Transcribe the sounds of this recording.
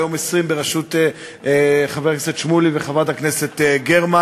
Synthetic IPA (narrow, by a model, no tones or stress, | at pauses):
jomesʁimbeʁaʃut̪e | χavekneset̪ʃmuliveχavad̪hakneset̪ɡeʁma